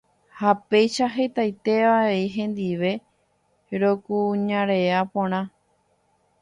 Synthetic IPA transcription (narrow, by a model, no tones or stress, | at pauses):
hape̞jʃaɦe̞t̪ajt̪e̞ʋae̞iɦẽ̞nd̪iʋe̞ | ɾo̞kuɲãɾe̞apõɾ̃ã